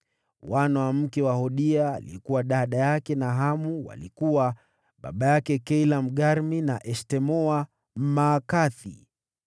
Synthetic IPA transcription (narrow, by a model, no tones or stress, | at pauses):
wanawam̩kɛwahɔɗiaːlḭɛkuwaɗaɗajakɛnaɦamuwa̰likuwa | ɓa̰ɓajakɛkɛilam̩ɠaɾminaʔɛʃtɛmɔa | m̩maːkaθḭ